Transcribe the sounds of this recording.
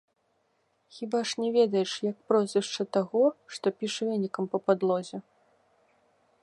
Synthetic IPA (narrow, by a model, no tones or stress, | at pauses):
xʲibaʂnʲɛvʲɛd̪ɐjɛʂjɐk̚pɾɔzʲvʲɛʂt͡ʂɐt̪aɣɔʂt̪ɔpʲiʂvʲɛnʲːikɐmpɐpad̪lˠɔzʲɛ